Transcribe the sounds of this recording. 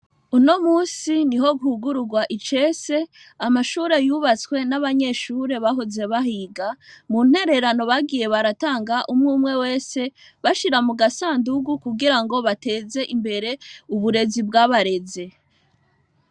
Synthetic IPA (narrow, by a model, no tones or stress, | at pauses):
uno̞muːsiniɦo̞ɡuhuɡuɾuɡwaʔit͡ʃe̞ːse̞ | amaʃuːɾe̞juβat͡skwe̞naβaɲe̞ʃuːɾe̞βaɦoze̞βaɦiːɡamun̥he̞ɾe̞ɾano̞βaɡiːje̞βaɾataːŋɡaʔumŋuːmŋe̞we̞ːse̞ | βaʃiɾamuɡasaːnduɡukuɡiɾaŋɡo̞βate̞ːze̞ʔimbe̞ɾe̞uβuɾe̞zibɡaβaɾe̞ze̞